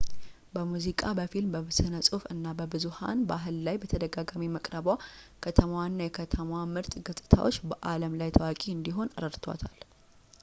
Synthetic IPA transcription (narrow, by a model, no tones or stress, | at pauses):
bəmuzikʼabəfilmbəβɨsɨnəsʼufɨnːabəbɨzuha̰nbəaɦɨlːajbət̪ʰəd̪əɡaɡamiməkʼɾəbwakʰət̪ʰəməwanːajɛkʰət̪ʰəmwamɨɾt̪ʼɡət̪ʼɨ̥t̪ʰa̰wot͡ʃːbəʔaləmlajt̪ʰəwakʼiɨnd̪iɦo̞nɨɾəɾt̪ʰwa̰t̪ʰal